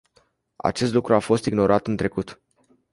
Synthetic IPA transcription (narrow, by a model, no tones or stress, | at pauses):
a̰t͡ʃe̞st̪lukɾuafo̞st̪iɡno̞ɾʔat̪ɨnt̪ɾe̞kut̪